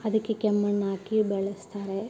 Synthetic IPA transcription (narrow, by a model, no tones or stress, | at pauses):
ɐðikʲːekemːɐɳːaːkːibeɭɐst̪ʰɐɾe